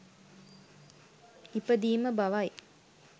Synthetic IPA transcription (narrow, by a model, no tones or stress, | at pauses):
ipəd̪iːməbaʋaj